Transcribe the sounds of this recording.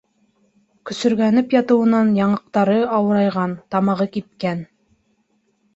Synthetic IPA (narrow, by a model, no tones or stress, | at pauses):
kɵ̆sɵ̆ɾɡænɘpjɑt̪ɤ̆wɤ̆nɑnjɑɴɑq̚t̪ɑɾɤɑwɤ̆ɾɑjʁɑnt̪ɑmɑʁɤkit̪̚kæn